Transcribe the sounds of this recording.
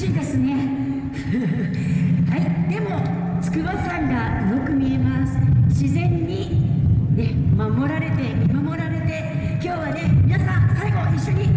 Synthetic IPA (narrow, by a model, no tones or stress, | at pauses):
ĩːnd̪e̞sɨne̞ | haid̪̥e̞mo̞ | t͡sɨ̥kɯ̟basãŋɡa | jokɯ̟mʲie̞masɨ̥ɕizẽ̞ɲ̟ːi | ne̞mamo̞ɾaɾe̞t̪e̞mʲimamo̞ɾaɾe̞t̪e̞ | kʲo̞ːβane̞mʲinasãsaiɡo̞iɕːo̞ɲ̟i